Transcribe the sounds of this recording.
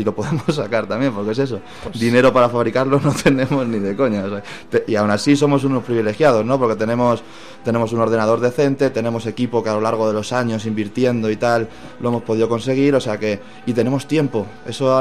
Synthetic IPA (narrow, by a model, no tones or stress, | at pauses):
ilo̞po̞ðemosːakaɾt̪amje̞mpo̞ɾkee̞se̞so | dd̪ine̞ɾo̞paɾafaβɾikaɾlo̞no̞t̪ʰe̞nẽ̞mo̞zniðe̞ko̞ɲaos | t̪eiawnasis̬o̞mo̞s̬uno̞spɾiβile̞xjað̞o̞zno̞poɾke̞t̪e̞nẽ̞mo̞s | t̪e̞ne̞mo̞suno̞ɾðe̞nað̞o̞ɾðe̞θe̞nt̪e̞t̪e̞ne̞mo̞se̞kipo̞kealo̞laɾɣ̞o̞ð̞e̞lo̞saɲo̞simbiɾt̪je̞nd̪o̞it̪alː | oe̞mo̞spo̞ðiðo̞ko̞nse̞ɣ̞iɾo̞seake̞ | it̪e̞ne̞mo̞st̪je̞mpo̞e̞so